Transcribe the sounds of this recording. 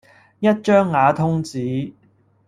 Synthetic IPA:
jɐ˥t̚t͡ʃœː˥ŋːaː˨˧t̪ʰʊ˥ŋt͡siː˨˥

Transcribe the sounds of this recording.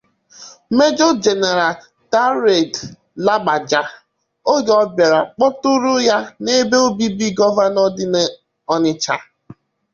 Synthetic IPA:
me˦d͡ʒɔ˦d͡ʒe˨ne˨ɾa˨ | ta˦ɾe˨d | la˦ɡ͡ba˨d͡ʒa˨ | o˦ɡɔ˦be˨ɾa˨k͡pɔ˦tʊ˦ɾʊ˦ja˦ne˦be˦o˦bi˦bi˦ɡɔ˦va˦nɔ˦dɪ˦n˦ | ɔ˦nɪ˦t͡ʃa˨

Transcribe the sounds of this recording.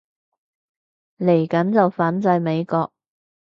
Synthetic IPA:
le˨˩jkɐ˨˥nt͡sɐ˨wfaː˨˥nt͡sɐ˧jme˨˧jkɔː˧k̚

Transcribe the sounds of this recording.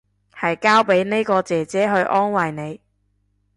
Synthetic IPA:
hɐ˨jkaː˥wpe˨˥jne˥kɔː˧t͡sɛː˨t͡sɛː˨˥ɦɵ˧ɥʔɔː˥nwɐ˨jne˨˧j

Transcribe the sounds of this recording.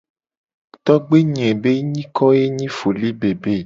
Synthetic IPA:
t̪ɔ˦ɡ͡be˦ɲɛ̃˨be˦ɲĩ˦kɔ˦je˦ɲĩ˦fo˨li˦be˨be˨

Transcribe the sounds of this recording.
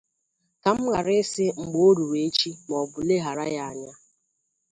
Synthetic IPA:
ka˨m̩˦ɣa˨ɾɪ˦sɪ˦ŋ͡m̩˨ɡ͡bo˦ɾu˨ɾe˨˦t͡ʃi˦mɔ˨bʊ˨le˦ɦa˨ɾa˦ja˦a˨ɲa˦

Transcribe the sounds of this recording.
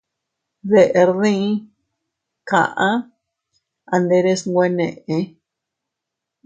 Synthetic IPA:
ðe˨˧ʔe˧ɾðĩ˦ | kã̰˨ʔã˦ | a˧nd̪e˧ɾe˦sŋɡʷe˦nḛ̃˨ʔẽ˧

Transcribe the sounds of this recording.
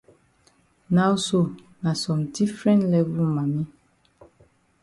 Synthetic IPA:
na˦wso˨ | na˨sɔ̃˨mdi˦fɹɛ̃˦ntlɛ˦vu˦lma˨mi˦

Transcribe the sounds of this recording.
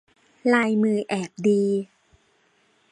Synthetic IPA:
laː˧jmɯː˧ʔɛː˨˩p̚diː˧

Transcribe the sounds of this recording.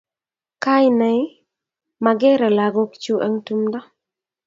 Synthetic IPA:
ka˦ɪnɛ˨ɪ˦ | ma˨ɡɛ˦ɾɛ˨la˨ɡo˦kt͡ʃu˦ʔa˦ŋtu˦mdɔ˦

